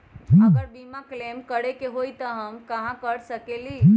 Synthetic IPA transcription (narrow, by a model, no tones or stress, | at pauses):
əɡəɾbimaklemkəɽekeɦoit̪əɦəmkə̃ɦãkəɽsəkeli